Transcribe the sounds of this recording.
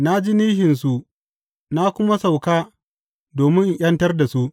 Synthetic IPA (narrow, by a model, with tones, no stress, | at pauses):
na˦d͡ʒi˦niː˦ɦɪ˨ns̬u˦ʔ | na˦kʷʊ˦ma˦sa˨wkaː˦ | doː˨mɪ˦ŋʔɐ˦ntɐ˦rda˨su˦ʔ